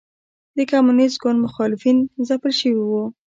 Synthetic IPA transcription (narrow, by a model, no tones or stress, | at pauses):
d̪əkamunisɡʊnd̪mʊxɑlɪfinzapəlʃəwiwu